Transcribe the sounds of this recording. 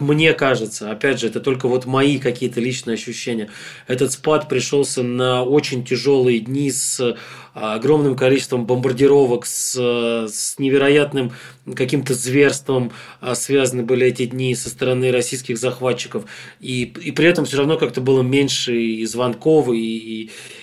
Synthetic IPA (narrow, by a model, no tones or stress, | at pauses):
mnʲe̞kaʐɨt̪səɐpʲædʲʐɨɛt̪ət̪o̞lʲkəvo̞t̪mɐikɐkʲijət̪əlʲit͡ɕnɨjəɐɕːʉɕːenʲɪjə | ɛt̪ət̪spat̪pɾʲɪʂo̞lˠsʲənəo̞t͡ɕɪnʲtʲɪʐo̞lˠɨjədʲnʲis | ɐɡɾo̞mnɨmkɐlʲit͡ɕɪst̪vəmbəmbərdʲɪɾo̞vəks | snʲɪvʲɪɾɐjat̪nɨm | kɐkʲimt̪əzvʲe̞rst̪vəm | svʲazənɨbɨlʲɪɛtʲɪdʲnʲisəst̪əɾɐnɨɾɐsʲijs̬kʲɪxzɐxvatt͡ɕːɪ̥kəf | iipɾʲɪɛt̪əmfsʲoɾɐvno̞kak̚t̪əbɨlˠəmʲenʲʂɨizvɐnko̞f